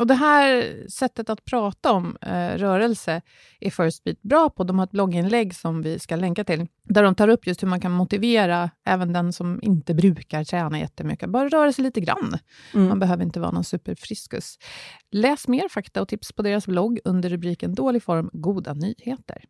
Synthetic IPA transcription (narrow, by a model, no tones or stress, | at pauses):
ɔd̪ɛɦæːɾsɛt̪ːət̪at̪̚pʰɾɑːt̪aɔmɾœːɾɛlsə | ʔæfœɾʂt̪viːt̪̚bɾɑːpʰɔd̪ɔmhaɾɛt̪̚blɔɡːɪnlɛɡːsɔmvɪskalɛŋkat̪ʰɪl | d̪æɖɔmt̪ʰɑːɾɵpːjɵst̪hɵɾmankʰanmʊt̪ɪveːɾaʔɛːvənd̪ɛnsɔmɪ̰nt̪əbɾʉ̟ːkaɾʈʰɾɛːnajɛ̰t̪ːəmʏ̰kːəbœːɾaɾœːɾasɛjliːt̪əɡɾa̰nː | manbɛɦøːvəɾɪnt̪əvɑ̰ːɾanɔnsʉ̟ːpəɾfɾɪskɵ̰slɛːsmeːɾfakt̪aɔt̪ʰɪpspʰɔd̪eːɾasblɔɡːɵnd̪əɾːɵbɾiːkənd̪oːlɪɡfɔɾmɡuːd̪a̰nyːheːt̪ə̰ɾ